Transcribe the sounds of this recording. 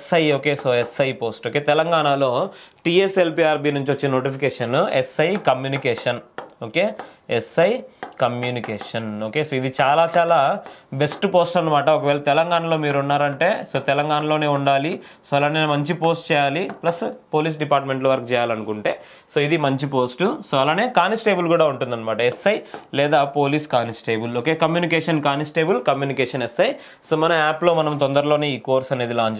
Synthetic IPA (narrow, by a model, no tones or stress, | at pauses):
sɐjoːke̞ːsoːesɐjpo̞ːsʈoːke̞ːt̪ɛlɐŋɡaːɳalo̞ːʈiːeselpiːaːɾpiːnuɲt͡ʃiʋɐt͡ʃːinɐno̞ːʈipʰikɛːʂɐnesɐjkɐmjuːnikɛːʂɐnoːke̞ːesɐjkɐmjuːnikeːʂɐno̞ːkeːsoːid̪it͡ʃaːlaːt͡ʃaːlaːbesʈpo̞ːsʈɐnːɐmaːʈɐɔkɐʋɛːɭɐt̪ɛlɐŋɡaːɳɐlo̞ːmiːɾuɳːaːɾɐɳʈe̞ːso̞ːt̪ɛlɐŋɡaːɳɐlo̞ːne̞ːuɳɖaːli | soːɐlaːnːiːnɐmɐɲt͡ʃipo̞ːsʈt͡ʃɛːjaːliplɐspoːliːs̬ɖipaːɾʈme̞ɳʈ̬loːʋɐɾkut͡ʃɛːjaːlɐnukuɳʈe̞ː | soːid̪imɐɲt͡ʃipo̞ːsʈusoːɐlaːneːkaːnisʈe̞ːbulkuːɽaːuɳʈund̪ɐnːɐmaːʈɐɛsːɐjlɛːd̪aːpo̞ːliːskaːnisʈeːbuloke̞ːkɐmjuːnikɛːʂɐnkaːnisʈeːbɐlkɐmjuːnikɛːʂɐnɛsɐj | soːmɐnɐmaːplo̞ːmɐnɐmt̪ɔnd̪ɐɾɐlo̞ːneːiːko̞ːɾsɐne̞ːd̪ilaːɲt͡ʃ